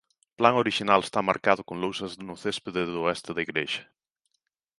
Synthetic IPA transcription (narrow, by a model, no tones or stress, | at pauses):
plaŋoɾiʃinalest̪ama̰ɾkaðʊkoŋlowsɐznʊθespeðeðʊɛst̪ɪðɐiɣɾeʃɐ̥